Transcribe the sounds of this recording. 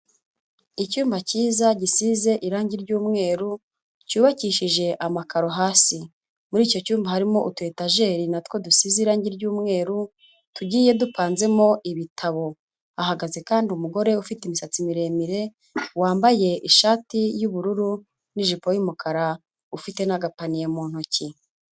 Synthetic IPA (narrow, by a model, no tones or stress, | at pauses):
icuːmbaciːzaɟisize̞ʔiɾaːɲɟiɾɟuːmŋe̞ːɾu | cuːβaciːʃiʒe̞ʔamakaɾo̞ɦaːsi | muɾiːco̞cuːmbahaɾimo̞ʔutwe̞taʒe̞ːɾinatwo̞dusiziɾaːɲɟiɾɟuːmŋe̞ːɾu | tuɟiːje̞dupaːnze̞mo̞ʔiβitʰaβo̞ | aɦaɡaze̞kaːndiumuɡo̞ɾe̞ufitimisat͡simiɾe̞ːmiɾe̞ | waːmbaje̞ʔiʃaːtijuβuɾuɾu | niʒipojimukʰaɾa | ufite̞naɡapanijamuːn̥oci